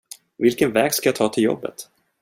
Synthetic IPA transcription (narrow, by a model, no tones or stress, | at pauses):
vɪlkənvɛːɡskajat̪ʰɑːt̪ʰɪljɔ̰bːə̰t̪